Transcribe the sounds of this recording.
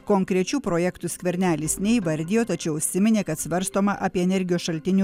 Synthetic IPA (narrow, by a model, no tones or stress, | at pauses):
koːŋkɾʲɛt͡ʃʲuːpɾoːjɛkt̪ʊsʲkʲʋʲɛɾʲnʲæːlʲɪsnʲɛiʋɐɾʲd̪ʲɪːjoːt̪ɐt͡ʃʲɛʊʊʃʲsʲɪmʲɪnʲeːkɐt̪sʲʋɐɾst̪oːmɐʔɐːpʲiɛɛnʲɛɾʲɡʲɪjoːsʃɐlʲt̪ʲɪnʲuːˑ